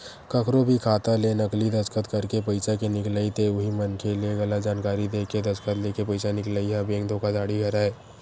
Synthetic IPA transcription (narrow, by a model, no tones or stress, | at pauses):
kəkʰɾobʱikʰaːt̪aleːnɐklid̪ɐd͡ʒkət̪kɐɾkepəɪsakenɪklaːit̪eʊɦimənkelieɡɐlad͡ʒaːnkaːɾid̪eːked̪ɐd͡ʒkʰət̪leːkepɐɪsanɪklaːiɦabẽːŋkd̪ʱoːkad͡ʒaːɽiɡʱɐɾaːeː